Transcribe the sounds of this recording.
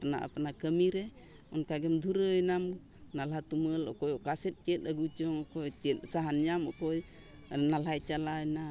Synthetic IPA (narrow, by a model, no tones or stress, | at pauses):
pna̰ʔa̰pnakəmiɾɛ | ɔnkaɡɛmd̪ʱuɾɯːjnam | nalat̪uməlɔ̰kɔjɔkasɛt̚t͡ʃet̚aɡut͡ʃɔŋɔkɔjt͡ʃɛt̚saɦanjamɔkɔj | nalajt͡ʃalajna